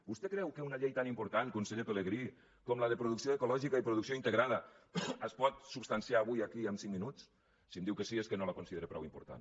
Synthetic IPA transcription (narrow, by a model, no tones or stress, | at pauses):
bust̪ɛkɾɛwkeunaʎejt̪animpuɾt̪ankunseʎepeleɣɾi | kɔmlaðepɾuðuksioekulɔʒikaipɾuðuksioint̪eɣɾaðəːspɔt̪supst̪ansiaːβujakiəmsiŋminut͡s | siəmd̪iwkəsieskənolakunsiðeɾepɾɔ̰wimpṵɾt̪a̰n